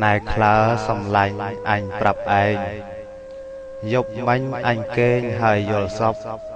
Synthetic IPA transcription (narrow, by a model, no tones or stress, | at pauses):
naɛkʰlaəsɑmlaɲʔaɲprap̚ʔaɛŋ | jop̚mɨɲʔaɲkeːɲɦaəjːʊ̆əlsɑp̚